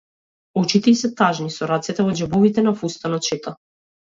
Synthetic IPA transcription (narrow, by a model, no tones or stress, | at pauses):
ut͡ʃit̪ɛsɛt̪aʒnisɔɾat̪sɛt̪ɛvɔd͡ʒɛbɔvit̪ɛnafust̪anɔt̪ʃɛt̪a